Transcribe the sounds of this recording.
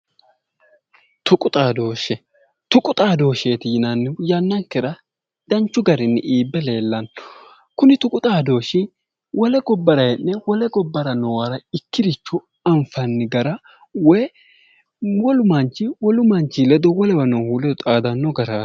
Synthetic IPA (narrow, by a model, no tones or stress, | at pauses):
t̪ʊkʼʊt̪ʼaːd̪o̞ːʃɛ | t̪ʊkʼʊt̪ʼaːd̪o̞ːʃeːt̪inɐnːɪjɐnːɐŋkːɛɾɐ | d̪ɐnt͡ʃːʊɡɐɾɪnːɪʔiːbːɛle̞ːlːɐn | kʊnɪt̪ʊkʼʊt̪ʼaːd̪o̞ːʃɪ | wʔɔlɛɡɔbːɐɾɐjɛnːɛwɔlɛɡɔbːɐɾɐnɔwɐɾɐɪkːɪd̪ɪt͡ʃːʊ | ɐɱfɐnːɪɡɐɾɐ | wɔj | wɔlʊmɐnt͡ʃːɪwɔlʊmɐnt͡ʃːɪlɛd̪ɔwɔlɛwɐnɔhuːlɛd̪ɔt̪ʼaːd̪ɐnːɔɡɐɾḁː